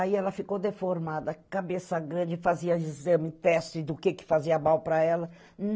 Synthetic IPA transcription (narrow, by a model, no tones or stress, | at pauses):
aiɛlɐfikowd̪efoɾmad̪ɐkabesɐɡɾɐ̃d͡ʒɪfaziɐizɐ̃mɪt̪ɛst͡ʃɪd̪ʊkekɪ̥faziɐbawpɾɐɛlɐ | n